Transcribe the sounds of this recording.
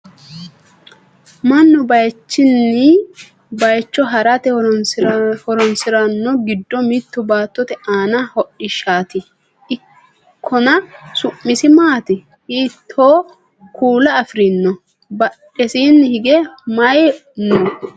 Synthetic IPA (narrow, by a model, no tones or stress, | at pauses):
mɐnːʊbɐjt͡ʃːɪnːɪ | bɐjt͡ʃːɔɦɐɾɐt̪ɛ | hɔɾɔnsɪɾɐnːɔɡɪd̪ːɔmɪt̪ːʊbaːt̪ːɔt̪ɛʔaːnɐhɔɗɪʃaːt̪ɪ | ɪ | kʰːɔnɐsʊʔːɪsɪmaːt̪ɪ | iːt̪ʰːoː | kuːlɐːfɾɪnːɔ | bɐᶑɛsiːnːhɪɡɛmɐjnɔ